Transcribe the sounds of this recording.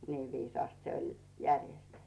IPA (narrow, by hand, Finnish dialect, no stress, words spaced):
niː ʋiːsɑːst se olʲ jærjestetːẙ